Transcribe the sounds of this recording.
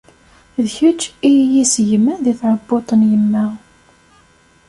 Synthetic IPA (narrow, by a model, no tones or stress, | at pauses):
ðçət͡ʃːijisʝəmːænðiθʕəbːot̪ˤənjəmːæ